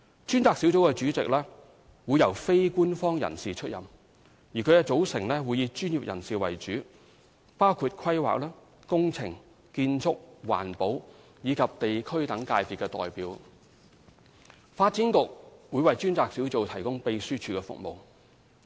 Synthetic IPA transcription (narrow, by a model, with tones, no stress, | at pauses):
t͡ʃyː˥nt͡saː˨k̚si˨˥wt͡so˨˥wkɛ˧t͡ʃyː˨˥t͡sɪ̰˨k̚lɛː˥ | wuː˨˧jɐ˨˩wfe˥jkuː˥nfɔː˥ŋjɐ̰˨˩nsiː˨t͡ʃʰɵ˥t̚jɐ̰˨m | ji˨˩kʰɵ˨˧jkɛː˧t͡so˨˥wsɪ˨˩ŋlɛː˥wuː˨˧jiː˨˧t͡ʃyː˥nji˨p̚jɐ̰˨˩nsiː˨wɐ̰˨˩jt͡ʃyː˨˥ | paː˥wkʰuː˨˧t̚kʰɐ˥jwa̰ː˨k̚lɛː˥ | kʊ˥ŋt͡sʰɪ̰˨˩ŋ | kiː˧nt͡sʰʊ˥k̚wa̰ː˨˩npo˨˥w | jiː˨˧kʰɐ˨p̚t̪e˨jkʰɵ˥ɥt̪ɐ˨˥ŋkaː˧jpiː˨tkɛː˧t̪ɔ̰ː˨jpiː˨˥w | faː˧t̚t͡siː˨˥nkʊ˨k̚wu˨˧jwɐ˨jt͡ʃyː˥nt͡saː˨˧k̚si˨˥wt͡so˨˧wt̪ʰɐ˨˩jkʊ˥ŋpe˨jsyː˥t͡ʃʰyː˨˧kɛː˧fʊ̰˨k̚mo̰˨w